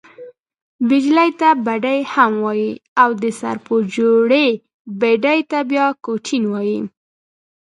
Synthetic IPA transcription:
bɪd͡ʒlajt̪abaɖajhamwɑjiawd̪əsa̰ɾpod͡ʒoɽe | beɖajt̪abjɑkoʈʰinwɑji

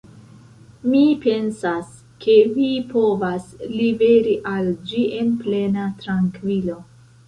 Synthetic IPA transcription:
mipe̞nsas | kʰe̞vipo̞vaslibe̞ɾiʔald͡ʒie̞nple̞natɾaŋkvilo̞

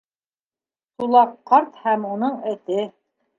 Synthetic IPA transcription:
sulˠɑqːɑɾt̪hæmunɤɴɘ̆t̪ɘ

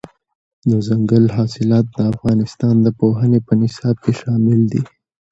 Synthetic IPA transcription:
d̪əzaŋɡəlɦɑːsɪlɑːt̪̚d̪əafɣɑnɪst̪ɑnd̪əpoɦənepənɪsɑːb̚keʃɑmɪld̪i

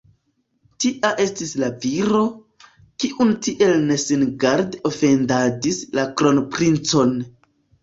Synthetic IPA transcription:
tiʔaʔe̞stislaviɾo̞ | kiʔuntiʔe̞lne̞sinɡaɾdofe̞ndadislakɾo̞npɾint͡so̞n

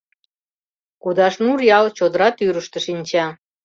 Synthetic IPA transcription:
kud̪ɑʃnurjɑlt͡ɕod̪əɾɑt̪yɾəʃt̪ə̆ʃinʲt͡ɕɑ

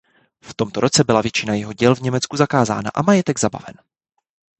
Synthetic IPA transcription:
ft̪o̞mt̪oɾʔo̞t͡sɛbɪlavjɛt͡ʃɪnajɛɦo̞ɟɛlvɲɛmɛt͡skuzakaːza̰ːna̰ʔamajɛt̪ɛɡzaba̰vɛ̰n

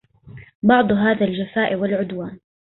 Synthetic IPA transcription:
bɑʕd̪ˤɦaːðald͡ʒafaːʔɪwɪlʕʊd̪waːn

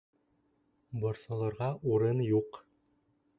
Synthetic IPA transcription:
bɒɾsɑlˠɑɾʁɑʔuɾɤnjuq

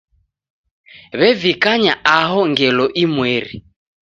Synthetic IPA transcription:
βɛvikaɲaʔaɦɔŋɡɛlɔʔimweɾi

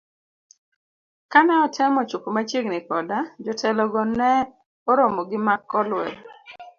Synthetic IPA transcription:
kanɛɔtʰɛmɔt͡ʃupomat͡ʃjeɡnɪkɔdad͡ʒɔtʰɛlɔɡɔnɛ | ɔɾomɔɡɪmakːɔlwɛ̰l

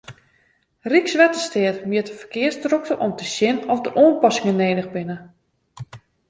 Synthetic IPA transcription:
riksʋɛtəstɪətmiətəfərkɪəsdrɔk̚tərʔɔmtəsjɪnɔfdəʔoənpɔsɪŋəneːdəɣbɪnə

